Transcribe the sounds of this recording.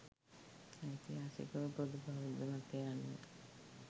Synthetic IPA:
it̪iɦaːsḭkəʋpɾod̪ubʱaʋid̪əmat̪ːejanːḛ

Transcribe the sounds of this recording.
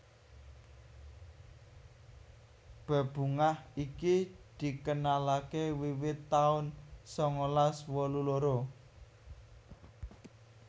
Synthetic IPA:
b̥ə̤b̥ṳŋahikid̪̥i̤kənalakewiwɪt̪ːaʊnsɔŋolaswɔluloɾo

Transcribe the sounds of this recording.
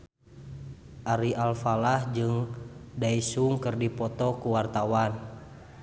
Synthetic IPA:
ʔaɾiʔalfalahd͡ʒɨŋdaisuŋkərdipɔt̪ɔkuwart̪awan

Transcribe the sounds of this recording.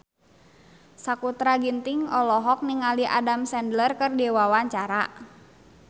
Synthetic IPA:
sakut̪ɾaɡint̪iŋɔlɔɦɔk̚niŋaliʔa̰damsɛndlərkərdɛwawaɲt͡ʃaɾa

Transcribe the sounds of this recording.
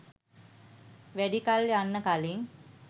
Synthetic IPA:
ʋæɖikaljanːəkaliŋ

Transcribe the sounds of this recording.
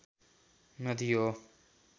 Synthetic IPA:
nʌd̪ijo

